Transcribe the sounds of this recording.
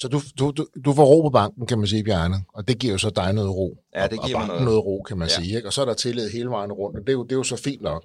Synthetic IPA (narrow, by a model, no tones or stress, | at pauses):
sɒ̽d̥ud̥udud̥ufɒʁo̝̰ːpʰɒ̽b̥ɑ̈ŋ̰ɡ̥n̩kʰæmæns̬iːb̥jæɐnəɒ̽d̥e̝ɡ̥ḭɐ̰jo̝sɒ̽d̥ɑ̈ɪnɔ̽ːð̩ˠʁo̝̰ːɒb̥ɑŋ̰ɡn̩nːɔːð̩ˠʁo̝̰ːkʰæmænsiːeɡ̥ɒ̽sɒ̽æɐɾ̥ɑt͡sʰe̝leð̩ˠɦe̝ːləʋɑ̈ɪ̰n̩ʁɔ̽n̰d̥ɒd̥e̝jod̥e̝jo̝sɒ̽fḭːnɒ̽ɡ̥